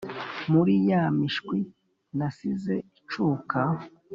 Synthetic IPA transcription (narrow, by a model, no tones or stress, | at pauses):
muɾijamiʃkwi | nasize̞it͡ʃuːka